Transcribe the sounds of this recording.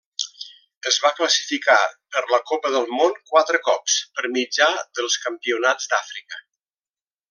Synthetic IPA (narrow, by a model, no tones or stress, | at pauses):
əzβakləsi̥fika̰pəɾləkopəðəlˠmonkwat̪ɾəkɔpspəɾmid͡ʒaðəlˠskəmpiunad͡zd̪afɾikə